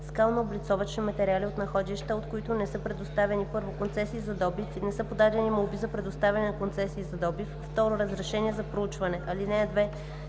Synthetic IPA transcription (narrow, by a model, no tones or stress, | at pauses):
skalˠnoːblit̪sɔvɐt͡ʃnimɐt̪ɛɾialiot̪nɐxɔd̪iʃt̪əot̪koit̪onɛsɤpɾɛd̪ost̪avɛnipɤɾvokont̪sɛsiːzɐd̪ɔbifnɛsɤpod̪ad̪ɛnimolˠbizɐpɾɛd̪ost̪avʲɛɐnɛnɐkont̪sɛsiːzɐd̪ɔbifːt̪ɔɾoɾɐzɾɛʃɛniɛzɐpɾout͡ʃvɐnɛʔɐlinɛːd̪vɛ